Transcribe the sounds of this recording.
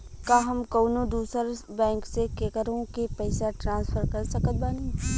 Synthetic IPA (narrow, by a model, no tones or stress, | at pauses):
kaːɦɐmkoːnõd̪uːsəɾbɛ̃ːŋksekeːkəɾõkepɐɪsaʈɾãːnspʰəɾkɐɾsɐkət̪̚baːni